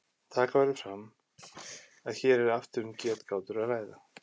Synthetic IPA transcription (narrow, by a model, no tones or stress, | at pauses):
t̪ʰaːkavɛɾɪfɾamː | aðçɛːɾɛɾaft̪ʏɾʏmcɛːt̪kʰaːwt̪ʏɾaðlaːjða